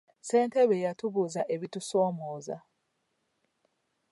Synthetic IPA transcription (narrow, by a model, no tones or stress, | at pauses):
se̞ːnte̞βejatuβuzaʔe̞βitusoːmoːza̰